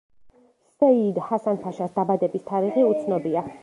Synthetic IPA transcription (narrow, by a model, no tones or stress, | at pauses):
sɛid̪hasanpʰaʃasd̪̥abad̪ɛbist̪ʰaɾiʁiut̪sʰnɔbia